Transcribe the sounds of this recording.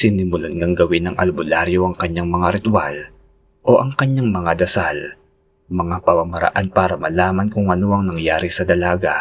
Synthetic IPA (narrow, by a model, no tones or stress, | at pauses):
sɪnɪmʊlanŋaŋɡɐwɪnːɐŋʔɐ̰lbʊlaɾjoʔɐŋkɐɲaŋmɐŋaɾɪt̪ʊwa̰l | ʔo̞ʔɐŋkɐɲːaŋmɐŋad̪ɐsal | mɐŋapɐmɐmɐɾɐ̰ʔanpaːɾɐmɐlaːmɐnkʊŋʔɐnoʔɐŋnɐŋjaːɾisɐd̪ɐlaːɡa̰